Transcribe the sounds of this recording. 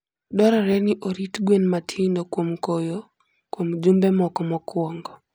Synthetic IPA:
dɔɾaɾɛniʔoɾitɡwenmatʰindɔkwomkojo | kwomd͡ʒumbɛmɔkɔmɔkwɔŋɡɔ

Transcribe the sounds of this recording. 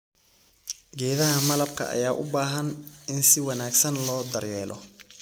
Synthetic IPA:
ɡɛːðɐɦɐmɐlɐb̚kʰɐ̰ʔɐ̰jaːʔʊbaːɦɐnɪnsɪwɑnaːɡsɐnlɔːd̪ɐrjɛːlʔɔ̰

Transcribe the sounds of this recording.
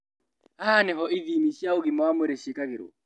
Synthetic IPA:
ahanɛɦɔiðimiʃjaoɣimwamweɾeʃikaɣɪɾo̰

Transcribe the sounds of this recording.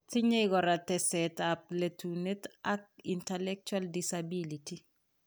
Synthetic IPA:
tiɲejɡɔɾatɛsɛtap̚letunetak̚intɛlɛk̚t͡ʃaldisabiliti

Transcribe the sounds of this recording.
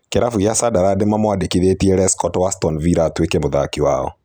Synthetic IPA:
kɛɾafuiasadaɾademamɔadekiðetiɛɾɛskɔtwastɔnviɾatwekemoða̰kiwa̰ɔ̰

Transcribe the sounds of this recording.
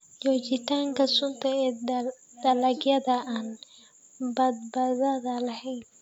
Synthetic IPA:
d͡ʒɔːt͡ʃɪt̪ʰaːŋkʰɐsʊnt̪ʰɐɛː | d̪̥ɐlɐɡjɐðɐʔan | bɐd̪̚bɐðɐðɐlɐhɛjn

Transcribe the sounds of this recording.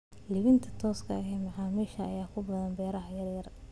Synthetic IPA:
lɪβɪnt̪ʰɐ̥t̪ʰɔːskʰɐɐɦɛːmɐʕɑːmiːʃɐɐjaːkʰʊbɐðɐnbɛːɾɐhɐjɐrjɐr

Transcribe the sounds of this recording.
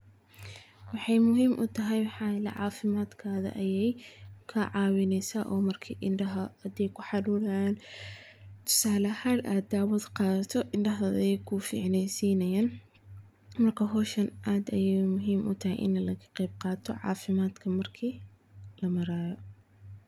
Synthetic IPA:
wɑħɑjmʊɦiːmʔʊ̰t̪ʰɐɦɛjwħɑːlɐ̰ʕɑːfɪmaːd̪kʰaːðɐ̰ʔɐjɛjkʰɐʕɑːwɪnɛjsaːʔɔːmɐrkʰḭːʔɪnɖɐɦɐɐd̪ɛjkʰʊħɑdʊːlɐːn | t̪ʰʊ̥saːlɐhɐlʔaːd̪aːwɐd̪qɑːðɐt̪ʰɔʔɪɳɖɐɦɐðɐ̰jɛjkʰʊfḭːʕnɛjsiːnɐjaːn | mɐrkʰɐɦɔːʃɐnʔaːd̪ɐjɛmʊɦiːmʔʊ̰t̪ʰɐɦɛ̰jʔɪ̰nɐlɐɣɐqɛjb̚qɑːt̪ʰɔʕɑ̰ːfɪmaːd̪kʰɐmɐrkʰiː | lɐmɐɾaːjɔ

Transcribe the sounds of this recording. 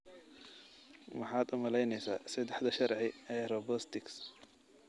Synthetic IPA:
mɑħɑːd̪ʊmɐlɛjnɛjsa̰ːsɐd̪ɛħd̪ɐʃɐɾʕɪɛɾɔbɔst̪ɪks

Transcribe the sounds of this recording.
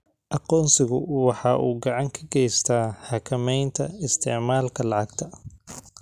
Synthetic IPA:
ʔɑqɔːnsɪɣʊwɑħɑːʔuːɡɑʕɑŋkʰɐɡɛjst̪ʰaːħɑkʰɐmɛjnt̪ʰɐɪst̪ʰɪ̰ʕmaːlkʰɐlɑʕɑɡt̪ʰɐ

